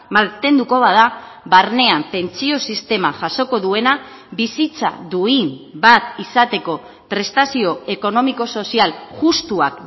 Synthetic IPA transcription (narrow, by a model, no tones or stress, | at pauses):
malt̪e̞nd̪uko̞β̞að̞aβaɾne̞ampe̞nt͡sio̞sist̪e̞maʝaso̞ko̞ðue̞na | bisit͡sa̰ðuinbat̪isat̪e̞ko̞ | pɾe̞st̪asio̞e̞ko̞no̞miko̞so̞sialʝust̪uak